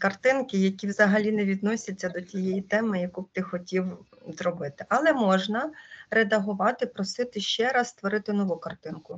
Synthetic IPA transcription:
kɐrt̪ɪnkɪjɐkʲiwzɐɦɐlʲinɛʋʲid̪̚nɔsʲɐt͡sʲːɐd̪ɔtʲijɛjit̪ɛmɪjɐkub̚t̪ɪxɔtʲiw | zrɔbɪt̪ɪʔɐlˠɛmɔʒnɐɾed̪ɐɦʊʋɑt̪ɪpɾɔsɪt̪ɪʃt͡ʃɛɾɑsst̪ʋɔɾɪt̪ɪnɔʋukɐrt̪ɪnkʊ

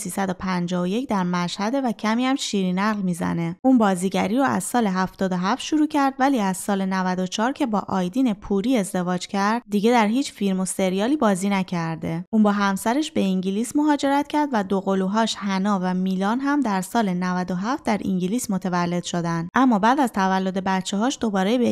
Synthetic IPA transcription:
siːsæd̪o̞pʰænd͡ʒɒːoje̞cʰd̪æɾmæʃhæd̪e̞væcʰæmiːæmʃiːɾinæɣlmiːzæ̰ne̞ʔuːnbɒːziːɟæɾiːɾɔæ̰z̥sɒːle̞ɦæft̪ɒːd̪o̞ɦæft̪ʃuɾuːcʰæɾd̪væliːæz̥sɒːle̞nævæd̪o̞t͡ʃʰɒːɾcʰe̞bɒ̰ːʔɒːjd̪iːne̞pʰuɾiːe̞zd̪e̞vɒːd͡ʒcʰæɾd̪̥d̪iɟe̞d̪æɾɦiːt͡ʃfiɾmo̞se̞ɾijɒːliːbɒːziːnæcʰæɾd̪e̞ʔuːnbɒːɦæmsæɾeʃbe̞iŋɟiliːsmo̞ɦɒːd͡ʒe̞ɾæt̪cʰæɾd̪væd̪oɣo̞luːɦɒːʃhænɒːvæmiːlɒːnɦæmd̪æɾsɒːle̞nævæd̪oɦæft̪̚d̪æɾʔḭŋɟiliːsmo̞t̪ʰe̞vælːe̞d̪̥ʃo̞d̪ænd̪ʔæmːɒːbæːd̪æz̥t̪ʰævælːod̪e̞bæt̪t͡ʃʰːeɦɒːʃd̪o̞bɒːɾebe

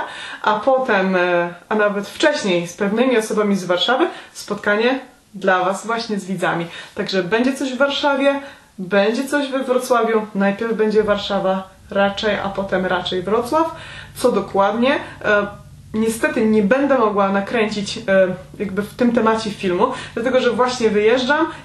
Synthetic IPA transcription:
ʔapɔt̪ɛmʔanavɛt̪ft͡ʂɛɕɲejspɛvnɘmʲiɔsɔbamʲizvaɾʂavɘspɔt̪kaɲɛ | d̪lavazvwaɕɲɛzvʲid̪zamʲit̪aɡʐɛbɛɲd͡ʑɛt̪ɔʑvːaɾʂavʲjɛ | bɛɲd͡ʑɛt̪sɔʑvɛvɾɔt̪swavʲjunajpʲjɛɾvbɛɲd͡ʑɛvaɾʂava | ɾat͡ʂɛjʔa̰pɔt̪ɛmɾat͡ʂɛjvɾɔt̪swaft̪sɔd̪ɔkwad̪ɲɛ | ɲɛst̪ɛt̪ɘɲɛbɛnd̪ɛmɔɡwanakɾɛɲt͡ɕit͡ɕjaɡbɘft̪ɘmt̪ɛmat͡ɕɛfʲilmud̪lat̪ɛɡɔʐɛvwaɕɲɛvɘjɛʐd͡ʐam

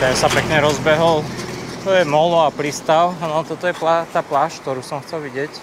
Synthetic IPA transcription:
t̪ɛnsapɛkɲɛɾɔzbɛɦɔlt̪ɔjɛmɔlɔapɾist̪aʊnɔt̪ɔt̪ɔjɛplat̪aːplaːʃk̚t̪ɔɾuːsɔmxt͡sɛlʋiɟɪɛc

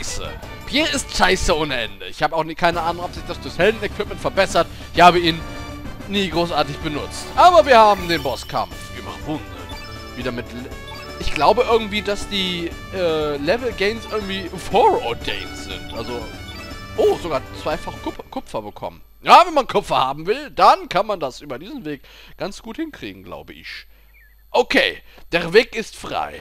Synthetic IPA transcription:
sə̰ | pʰjeːɪstʃaɪsəʔʊːnəʔɛ̰ndəɪçhaːbəaʊxnikʰaɪnəʔaːnʊŋɔpz̥ɪçd̥asd̥oɐçhɛldn̩ɛkv̥ɪp̚mɛntfɛɐbɛsɐt | ɪçhaːbəiːnː | iːɡʁoːsʔaːɐtɪçb̥ənʊt͡stʔaːbɐviːɐhaːbm̩deːnbɔskʰa̰mfv̥iːɐma̰χn̩vʊndə̰ | viːɾɐmɪtl | ʔɪçɡ̥laʊbəʔɪɐɡŋ̩tv̥iːdasd̥iː | ʔɛːlɛvl̩ɡeɪmsʔɪɐɡŋ̩tv̥iːfɔʁɔdḛɪnsz̥ɪ̰ntʔalzo | ʔoːzoɡaːɐt͡sv̥aɪfaχkʰʊkʰʊpp͡fɐbəkʰɔ̰mən | jaːvɛnmankʰɔpfɐhaːbm̩vɪld̥ankʰanmandasʔyːbɐdiːzn̩veːkɡ̥ant͡sɡ̥uːthɪnkʁ̥ḭːɡŋ̩ɡla̰ʊbəʔɪ̰ç | ʔokʰeːd̥eːɐveːkɪstfʁ̥a̰ɪ

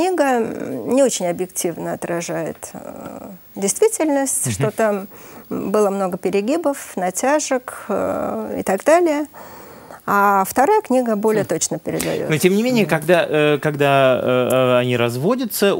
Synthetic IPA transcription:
knʲiɡənʲɪo̞t͡ɕɪnʲɐbjɪktʲivnəɐt̪ɾɐʐajɪ̰t̪ | dʲɪjst̪vʲitʲɪlʲnəsʲtʲʂt̪o̞t̪ambɨlˠəmno̞ɡəpʲɪɾʲɪɡʲibəfnɐtʲaʐək | ɪ̰t̪aɡd̪alʲɪjə | aft̪ɐɾajəknʲiɡəbo̞lʲɪjət̪o̞t͡ɕnəpʲɪɾʲɪ̰d̪ɐ̰jo̰notʲemnʲɪmʲenʲɪjəkɐɡd̪akɐɡd̪a | ɐnʲiɾɐzvo̞dʲət̪sə

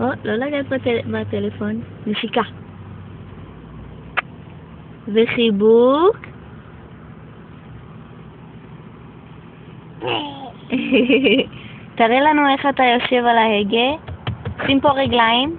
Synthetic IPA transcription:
ʔolo̞laɡad̪batebat̪elefo̞nneʃika | veχibuk | taʁelanue̞χatajo̞ʃe̞valaheɡeosimpo̞ʁeɡlaim

